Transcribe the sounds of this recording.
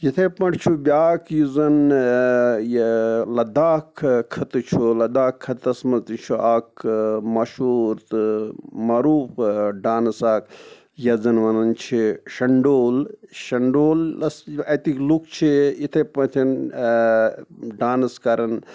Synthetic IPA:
jit̪ʰepɐɳʈt͡ʃʰubʲaːkjizɐn | jlɐd̪aːkʰkʰːɐt̪ɨt͡ʃʰulɐd̪aːkʰːɐt̪ɐsmɐt̪it͡ʃʰuʔaːkmɐʃuːɾt̪ | mɐɾuːfɖaːnɐsaːk | jɐzɐnʋɐnɐnt͡ʃʰiʃɐɳɖoːlʃɐɳɖoːlɐsɐt̪iklukʰt͡ʃʰijit̪ʰepɐt̪ʰin | ɖaːnɐskɐɾɐn

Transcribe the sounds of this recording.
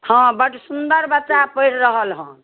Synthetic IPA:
hə̃bəʈsund̪əɾbətːʃapəiɽɾəɦəlɦə̃

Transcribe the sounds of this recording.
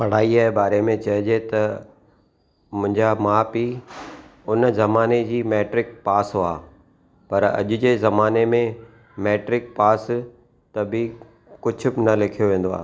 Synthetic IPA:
pɐɽ̤aːiaːebaːɾemẽt͡ɕɐɦɪd͡ʑet̪ɐ | mʊ̃ɦɪ̃ɲd͡ʑamaːpi | ʊnzɐmaːned͡ʑiːmeːʈɾɪk̚paːsɦoaː | pɐɾɐ̰ʄʊd͡ʑeːzɐmaːnemẽ | meːʈɾɪk̚paːs | t̪ɐbɪ | kʊd͡ʑʱʊ̆bɪnɐlɪkʰijoʋẽːn̆d̪oa̰ː

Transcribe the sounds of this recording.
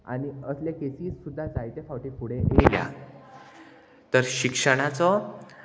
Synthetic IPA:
a̰ñiəsljekesiːt͡ssud̪ʱːad͡zajt̪efawʈipuɽ̤eʔelja̰ | t̪əɾɕikʂəɽ̃at͡sɔ

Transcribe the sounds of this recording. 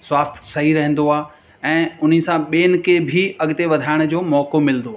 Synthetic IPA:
swaːst̪ʰsɐɦiɾɐɦə̃n̆d̪oaː | ɛ̃ːʊn̤ĭsãɓeːnɪ̆kʰebʱiɐɠt̪eʋɐd̪ʱaːɪɽ̃d͡ʑoːmɔːkomɪlnd̪oaː

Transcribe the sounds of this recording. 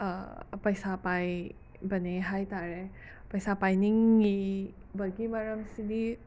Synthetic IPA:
pəjsapaj | bəneɦajt̪aɾe | pəjsapajniŋːibəɡimaɾəmsid̪i

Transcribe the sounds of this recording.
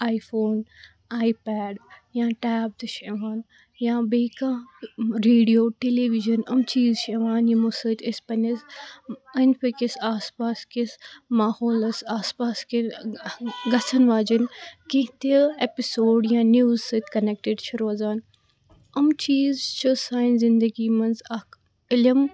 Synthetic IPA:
aːjfʰoːn | aːipɛːɖjãːʈaːb̚d̪ɨʃeːʋaːn | jãːbeːkãːɾeːɖijoːʈeːleʋiʒɐnɐmt͡ʃiːzʃeːʋaːnjimusɨt̪ʲʰəspɐnʲɐs | ɐnʲpikisaːspaːskismaːhoːlɐsaːspaːski | ɡɐsʰɐnʋaːd͡ʒɐnkẽɦt̪eepisoːɖjãːnjuːzsɨt̪ʰʲkɐnek̚ʈeɖt͡ʃʰɐɾoːzaːn | ɐmt͡ʃiːzt͡ʃʰɨsaːinzind̪əɡiːmɐnzɐ | ilɐm

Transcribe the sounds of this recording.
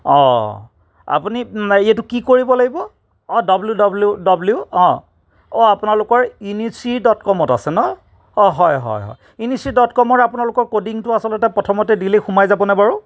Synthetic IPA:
ɔ̰̃ | a̰puniijatukikoɹibɔlaɡibɔ | ɔdɔbljudɔbludɔbljuɔ̃ | ɔapunalʊkɔɹinisidɔtkɔmɔta̰sɛnɔ | ɔɦɔjɦɔ̰jɦɔ̰j | inisidɔtkɔmɔɹapunalʊkɔɹkodiŋtʊasɔltɛtɛpɹɔtʰɔmɔtɛdilexumajzabɔnɛbaɹu

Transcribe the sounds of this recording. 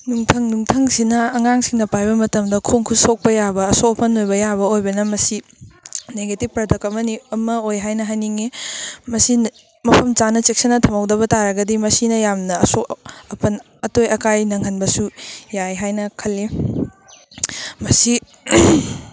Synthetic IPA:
nuŋtʰɐŋnuŋtʰɐŋsinɐːŋaŋsiŋnɐpajbɐmɐtɐmdɐkʰoŋkʰusok̚pɐjabɐːsopʰɐnojbɐjabɐojbɐnɐmɐsi | neɡetib̚pɾɐdɐkɐmɐniɐmɐojɦajnɐɦajniŋemɐsi | mɐpʰɐmt͡ʃanɐt͡ʃek̚sɐnːɐtʰɐmɐwdɐβɐtaɾɐɡɐdimɐsinɐjamnɐːsoɐpʰɐn | ɐtojɐkajnɐŋɦɐnbɐsujajɦajnɐkʰɐlːi | mɐsi

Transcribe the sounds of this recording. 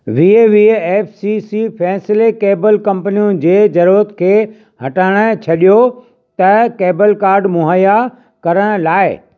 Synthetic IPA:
ʋieʋieːfsisifɛːsɪlekeːbəlkɐ̃mpənijũd͡ʑeːd͡ʑɐɾuɾət̪kʰeː | hɐʈaːɪɽ̃ət͡ɕʰɐɗijo | t̪ɐkeːbəlkaːɾɖmʊɦəja | kɐɾəɽ̃laːɪ

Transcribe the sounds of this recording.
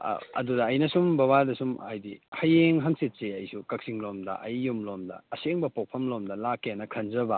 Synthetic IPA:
ɐ̰dudɐːjnɐsumbɐβadɐsumɐ̰jdihɐjeŋɦɐŋsit̚seɐjsukɐk̚siŋlomdɐ̰ʔɐjːumlomdɐ̰ɐseŋbɐpok̚pʰɐmlomdɐlakːenɐkʰɐnzɐbɐ

